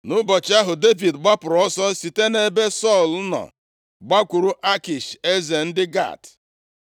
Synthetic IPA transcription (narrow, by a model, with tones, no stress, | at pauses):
nʊ˦bɔ˨t͡ʃɪ˦a˦ɦʊ˨de˦vi˨dɡ͡ba˦pʊ˨ɾɔ˦sɔ˦si˨te˦ne˨be˦sɔ˦˨lnɔ̰˨ | ɡ͡ba˦kʷu˨ɾu˦ʔa˦ki˨ʃe˦ze˨n̩˦dɪ˦ɡa̰˦˨t